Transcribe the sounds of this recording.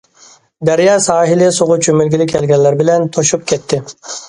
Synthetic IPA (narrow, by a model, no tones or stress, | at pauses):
d̪æɾjɑːsɑːɦilɪsoʁʊt͡ʃʰømylɡʲilɪkʰʲɛlɡʲɛnːæɾbɪlɛnt̪ʰoʃup̚kʲʰɛt̪ːɪ